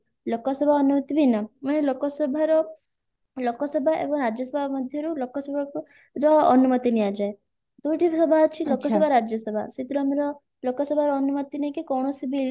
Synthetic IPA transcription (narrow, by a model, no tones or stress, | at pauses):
lokɔsɔbʱaɔnumɔt̪ibʱinɔmɐnelokɔsɔbʱaɾɔ | lokɔsɔbʱaʔḛbɔŋɾad͡ʒjɔsɔbʱamɔd̪ʱjɔɾulokɔsɔbʱa | ɾɔɔnumɔt̪iniad͡ʒae | t̪uʈisɔbʱat͡ʃʰilokɔsɔbʱaɾad͡ʒjɔsɔbʱa̰sit̪ɾɔameɾɔ | lokɔsɔbʱaɾɔːnumɔt̪inekekɔwɳɔsibi